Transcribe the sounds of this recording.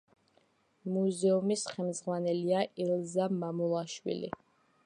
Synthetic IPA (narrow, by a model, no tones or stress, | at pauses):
muzɛumisχɛmzʁwanɛliaʔilˠzamamulˠaʃwḭlḭ